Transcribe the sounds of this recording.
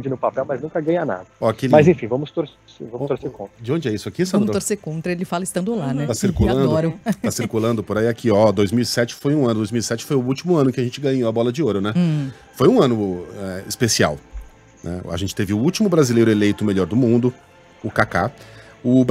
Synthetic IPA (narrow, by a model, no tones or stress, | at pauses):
d͡ʒɪnʊpapɛwmɐznũkɐɡɐ̃ɲana̰d̪ɐɔakelmzẽfĩvɐ̃mʊst̪oɾs | sevɐ̃mt̪oɾseɾkõt̪ɾɐd͡ʒɪõd͡ʒɪɛisʊakisɐ̃t̪oɾsekõnt̪ɾɐelɪfalɐɪst̪ɐ̃nd̪ʊlanɛt̪asiɾkulɐ̃d̪ʊɔɾɐasiɾkulɐ̃nd̪ʊpoɾaiakʰiɔd̪ojzmiwisɛt͡ʃɪ̥fojũɐ̃nʊd̪ojzmiwisɛt͡ʃɪ̥fojʊut͡ʃimʊɐ̃nʊkɪɐʒẽnt͡ʃɪɡɐ̃ɲoabɔlɐd͡ʒɪoɾʊnɛ | fojũɐ̃nʊɛɪspesia̰w | nɛ̰a̰ʒẽnt͡ʃɪ̥t̪evɪʊut͡ʃimʊbɾazilejɾʊelejt̪ʊmeʎɔɾd̪ʊmũnd̪ʊ | ʊkaka | ʊb